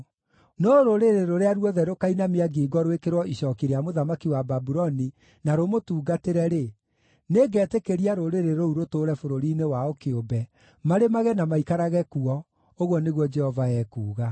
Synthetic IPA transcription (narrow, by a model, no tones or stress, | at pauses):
nɔɾoɾeɾeɾoɾeaɾwɔðɛɾokainameaɡiːɡɔɾowekeɾwɔiɕɔːkiɾeamoðamakiwababuɾɔni | naɾomotuːɡateɾɛɾe | neɡɛːtekeɾiaɾoɾeɾeɾouɾotoːɾɛfoɾoɾiːnewaokeobɛ | maɾemaɣɛnamaikaɾaɣɛkuɔ | oɣwɔneɣwɔd͡ʒɛhɔvaɛːkuːɣa